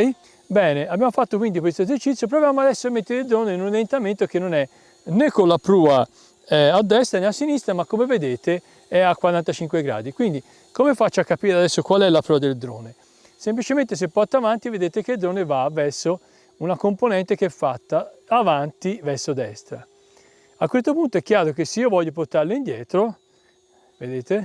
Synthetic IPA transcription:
bɛːneabːjamofat̪ːokwind̪ikwest̪oezert͡ʃit̪sːjop̬ɾovjaːmoad̪ɛsːoemːet̪ːeɾeild̪ɾoːneinunajent̪ament̪ok̟enːonɛ | nekːolːapɾuːa | ɛːd̪ːɛst̪ɾaneasːinist̪ɾamakːomeved̪eːt̪e | ɛakːwaɾant̪at͡ʃiŋkweɡɾa̰ːd̪ikwind̪i | komefat͡ʃːakːapiːɾead̪ɛsːokwalɛlapɾuːad̪eld̪ɾo̰ːne | semplit͡ʃement̪es̬epːɔrt̪avant̪ived̪eːt̪ek̟eld̪ɾoːnevavɛrsːo | unakomponɛnt̪ekeɛfːat̪ːaːvant̪ivɛrsod̪ɛst̪ɾa | akːwest̪opunt̪oɛk̟ːjaːɾok̟esːeiːovɔʎːopoɾt̪aɾloind̪jɛːt̪ɾo | ved̪eːt̪e

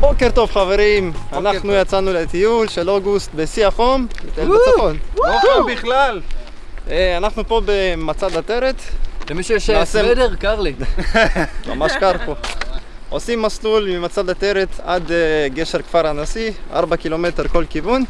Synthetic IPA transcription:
bokeʁt̪o̞vχave̞ʁimanaχnujat͡sanulet̪ijulʃeloɡust̪̚besiaχomlet̪elaotoobiχlal | eanaχnupo̞bemat͡sad̪at̪eɾetzemiʃuʃasedeʁkaʁli | ma̰maʃkaʁpo | osimːaslulmimat͡sad̪at̪eɾetad̪eɡeʃe̞ʁkfaʁanasiʔa̰ʁbakilo̞me̞t̪e̞ʁko̞lkivun

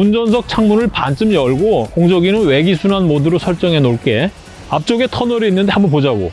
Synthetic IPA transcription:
und͡ʑʌnsʰʌk̚t͡ɕʰaŋmunɯɭpant͡ɕʰɯmjʌɭɡokoŋd͡ʑʌɡinɯnwe̞ɡisʰunanmodɯɾosʰʌɭt͡ɕ͈ʌŋɦe̞noɭk͈e̞ | ap̚t͡ɕ͈oɡe̞tʰʌnʌɾiːnːɯnde̞hambʌnp̬od͡ʑaɡo̰

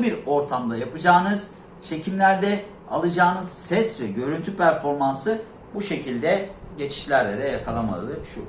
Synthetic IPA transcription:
biɾo̞ɾt̪ʰamd̪ˠajapɯd͡ʒaːnɯz̥ | t͡ʃʰe̞cʰimlʲæɾd̪ɛ | a̰lˠɯd͡ʒaːnɯz̥sɛsvɛɟø̞ɾynt̪ʰypʰæɾfo̞ɾmansɯ | buʃe̞cʰilʲd̪ɛɟe̞t͡ʃʰi̥ʃlʲæɾlʲɛd̪ɛjakʰalˠama̰lˠɯʃu

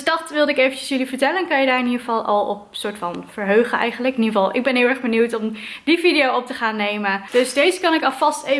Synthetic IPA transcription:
sdɑtʋɪlˠdəɪkejvəncəsjɵlivəɹtɛlənkɑnjədaːɹɪniχəvɑlˠʔɑ̰lˠɔpsʊːɹtfɑnv̥əɹɦøɥχəɛ̰jχənləkniəvɑlˠʔɪɡ̚bɛnɦɪːlˠɛɹχbənuwtɔmdividijowɔp̚təχaːnːejməd̥ɵsdejzəkɑnɪkɑlˠvɑste

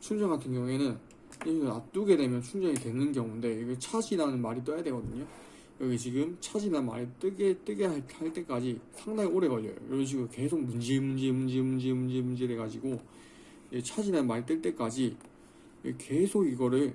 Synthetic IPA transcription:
t͡ɕʰuŋd͡ʑʌŋɡatʰɯŋɡjʌŋuenɯn | jenat͈uɡe̞de̞mjʌnt͡ɕʰuŋd͡ʑʌŋitwe̞nːɯnkjʌŋunde̞iɡet͡ɕʰad͡ʑinanɯnmaɾit͈ʌjadwe̞ɡʌdɯɲo | ʌɡet͡ɕiɡɯmt͡ɕʰad͡ʑinama̰ɾit͈ɯɡet͈ɯɡehaɭt͈e̞k͈ad͡ʑisʰaŋdaŋioɾe̞ɡʌʎʌ̰jo̰joɾʌnɕ̬ʰiɡuɾke̞sʰoɡ̚mund͡ʑemund͡ʑe̞mund͡ʑe̞mund͡ʑe̞mund͡ʑe̞mund͡ʑeɾeɡad͡ʑiɡo | et͡ɕʰad͡ʑinanmaɾit͈ɯɭt͈e̞k͈ad͡ʑi | eke̞sʰoɡiɡʌɾɯɭ

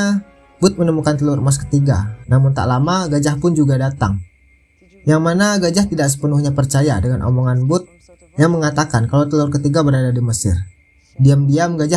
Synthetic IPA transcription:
bʊt̪̚mənəmukant̪əlʊrmas̬kə̥t̪iɡa̰namʊnt̪a̰ʔlamaɡad͡ʒahpʊnd͡ʒuɡadat̪a̰ŋ | jaŋmanaɡad͡ʒaht̪idaʔksə̥pənʊhɲapərt͡ʃaja̰dəŋanʔo̰moŋanbʊt̪̚ | jaŋməŋat̪akankalat̪əlʊrkət̪iɡabəɾadadiməsɪ̰r | diamdiamɡad͡ʒa

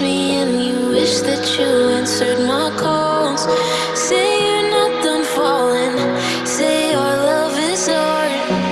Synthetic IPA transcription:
mi | ɨ̃njɨwɪʃðɨt͡ʃɨɛ̃nsə˞d̚maɪkʰo | nz̥ | seɪjənət̚də̃nfɔlˠɪ̃n | seɪjə˞lʌvɪsɔ | ɹ

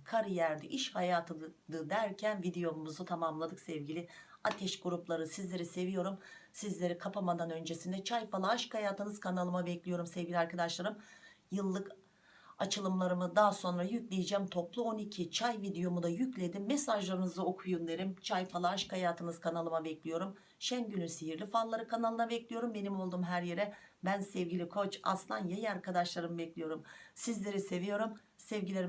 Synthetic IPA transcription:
kʰaɾɯjæɾd̪iʔiʃhajaːt̪ʰɯd̪ɯd̪æɾcʰænvid̪ejo̞muzut̪ʰamamlˠad̪ɯksɛvɟilʲɪ | at̪ʰɛʃɡuɾuplˠaɾɯsizlʲe̞ɾise̞vijo̞ɾum | sizlʲe̞ɾikʰapʰamad̪anø̞nd͡ʒe̞sind̪ɛt͡ʃʰajfalˠaːʃkajaːt̪ʰɯnɯz̥kʰanalˠɯmabɛclʲijo̞ɾumsɛvɟʲilʲiaɾkad̪aʃlˠaɾɯmjɯlˠːɯk | at͡ʃʰɯlˠɯmlˠaɾɯmɯd̪aːso̞nɾajyclʲejid͡ʒæmt̪ʰo̞plˠuo̞nicʰit͡ʃʰajvid̪ejo̞mud̪ajyclʲe̞d̪imːesaʒlˠaɾɯnɯzaokʰujund̪ʲeɾimt͡ʃʰajfalˠaːʃkʰajaːt̪ʰɯnɯzkʰanalˠɯmabɛclʲijo̞ɾum | ʃænɟynynsiɦiɾlʲifallːˠaɾɯkʰanalˠɯmabɛclʲijo̞ɾumbe̞nimo̞lˠd̪uːmɦæɾjeɾɛbænsɛvɟilʲikʰo̞t͡ʃa̰slˠanjajaɾkad̪aʃlˠaɾɯmɯbɛclʲijo̞ɾumsizlʲe̞ɾise̞vijo̞ɾum | sɛvɟilʲe

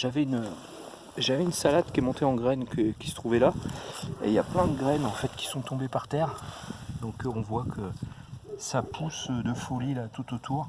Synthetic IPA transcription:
ʒavɛynø | ʒavɛynsalad̪kʲɛmɔ̃t̪eɑ̃ɡʁɛnkəkʲi̥sə̥t̪χuvɛla | ḛja̰plɛ̃d̪əɡʁɛnɑ̃fɛt̪kʲi̥sɔ̃t̪ɔ̃bepaʁt̪ɛːʁd̪ɔ̃kɔ̃vwakʰə | sapʰusd̪əfolilat̪ut̪ot̪ʰuːʁ

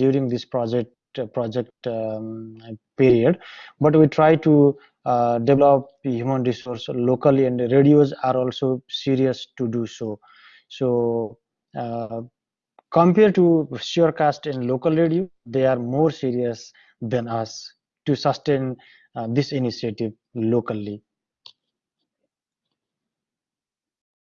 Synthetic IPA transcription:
ɖjuɾĩŋd̪ispɾɔd͡ʒek̚ʈpɾɔd͡ʒek̚ʈ | piɾiəɖbʌʈ̬wiʈʰɾajʈu | ɖeblɔp̚hjumə̃nɾisoɾslokəliɛ̃ɳɖɾeɖijozaɾɔlsosiɾijəsʈuɖuso | so | kɔ̃mpeɾʈuʃeɾkasʈɛ̃ɳɖlokəlɾeɖijod̪eaɾmoːɾsiɾiəs | d̪ɛ̃nʌs | ʈusʌsʈẽn | d̪isinisieʈiʋ | lokəli

